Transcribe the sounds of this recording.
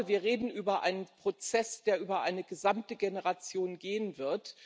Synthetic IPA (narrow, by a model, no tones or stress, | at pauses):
viːɐʁeːdn̩ʔyːbɐʔa̰ɪnənpʁ̥ot͡sɛsd̥eːɐʔyːbɐʔaɪnəɡəzamtəɡenəʁat͡sjoːnɡeːənvɪɐt